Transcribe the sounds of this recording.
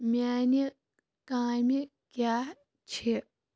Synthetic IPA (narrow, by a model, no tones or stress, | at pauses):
mʲaːni | kãːmi | ka | t͡ɕʰi